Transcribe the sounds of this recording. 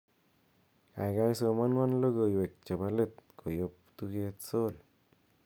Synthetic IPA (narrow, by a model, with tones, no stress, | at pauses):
a̰˨jɡa˦jso˧ma˦nwa˦nlo˦ɡo˨jwe˨k̚t͡ʃe˨ba˧le˦t̪kʰo˨jop̚t̪uɡe˧t̪so˦l